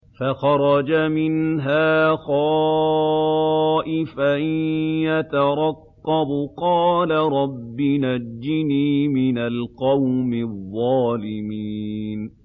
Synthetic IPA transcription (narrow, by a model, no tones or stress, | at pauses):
faxɑɾˤɑd͡ʒamɪnɦaːxɑː | ʔɪfajat̪aɾˤɑqːɑbqɑːlaɾˤɑbːɪnad͡ʒːɪniːmɪnalqɑwmɪðˤːɑːlɪmiːn